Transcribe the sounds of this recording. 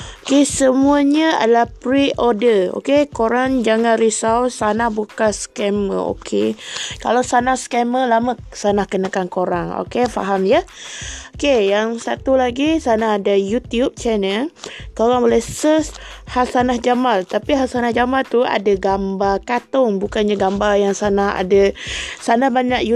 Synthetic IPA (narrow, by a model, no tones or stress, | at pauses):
okesəmuaɲəa̰dalahpɾiʔodəo̰kekoɾaŋd͡ʒaŋanrɾisawsanahbukanskɛmə̰o̰kʰḛka̰lawsanahskɛməlamasanahkənakankoɾaŋo̰kefa̰ɦamjə | okejaŋsat̪ulaɡisanahadajut̪iup̚t͡ʃɛnəlkoɾaŋbolɛhsəshasanahd͡ʒamalt̪apiɦasanahd͡ʒamalt̪ua̰daɡambarkat̪ʊŋbukanɲaɡambajaŋsanaha̰dasanahbaɲaʔ̚ju